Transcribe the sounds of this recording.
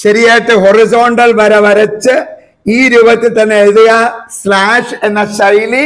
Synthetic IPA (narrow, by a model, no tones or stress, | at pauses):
ɕɐɾijaːjʈ̪ːɨɦorizo̞ːɳɖɐlʋɐɾɐʋɐɾɐt͡ɕːɨ | iːɾuːbɐt̪ːilt̪ɐnːeeðijaslaːʂe̞nːɐsɐjli